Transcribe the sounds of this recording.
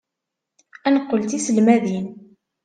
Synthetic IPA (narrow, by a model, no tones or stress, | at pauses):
ænqːəlt̪isəlmæðin